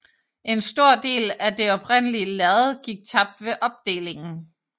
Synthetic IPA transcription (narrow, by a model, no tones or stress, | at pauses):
ʔe̝nsd̥o̝ɐ̰d̥e̝̰ːlæd̥e̝ɒ̽pʰʁen̰əliəlæð̩ˠɡ̥iɡ̥̚t͡sʰɑ̈b̥̚d̥ʋe̝ʔɒ̽b̥̚d̥e̝̰ːle̝ŋn̩